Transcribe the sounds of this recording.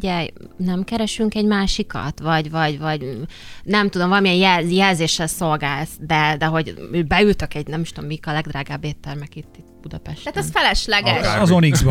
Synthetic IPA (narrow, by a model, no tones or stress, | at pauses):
ɟɛj | nɛmkɛɾɛʃyŋkɛɟmaːʃikɒ̰t̪vɒɟvɒɟvɒɟnɛmt̪ud̪omvɒlɒmiɛjjɛjɛlzeːʃːɛlso̞lɡaːlsd̪ɛd̪ɛɦo̞ɟøbɛylt̪økɛɟnɛmiʃt̪omːikɒlɛɡd̪ɾaːɡaːbːeːt̪ːɛrmɛkit̪ːit̪b̥ud̪ɒpɛʃt̪aːt̪ɛsfɛlɛʃlɛɡɛʃɒzonizb